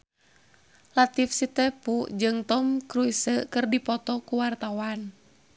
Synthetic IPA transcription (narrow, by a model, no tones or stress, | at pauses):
lat̪ifsit̪ɛpuʔd͡ʒɨŋt̪ɔmkɾuisəkɨrdipɔt̪ɔkuwart̪awan